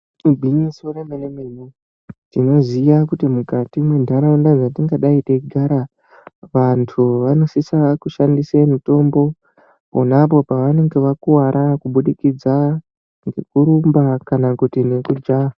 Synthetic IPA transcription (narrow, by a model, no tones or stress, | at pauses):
ibʱinisiuremenemenu | tino̞zijakutimukatimwe̞ndʱaɾaundad͡zatiŋɡaɗaiteɡʱaɾa | ʋantʰuʋano̞sisakuʃandisemito̞mbo̞ | ponapo̞paʋane̞ŋɡe̞ʋakuwaɾʔakuɓuɗikid͡za | ŋɡe̞kuɾumbakanakutine̞kud͡ʒa